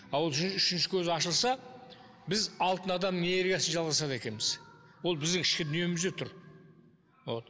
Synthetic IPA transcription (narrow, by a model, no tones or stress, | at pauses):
ɑwo̞lˠʏʃɪnʃɪkʲʰɵzɪɑʃəlˠsɑ | bɪzɑlˠt̪ənɑd̪ɑmneeɾɡʲijɑsəʒɑlˠʁɑsɑd̪e̞kʲe̞nbɪz | wo̞lˠbɪzd̪ɪŋkʰʲɪ̥ʃkʲɪd̪ʏnije̞mɪzd̪e̞t̪ʰʊɾ | o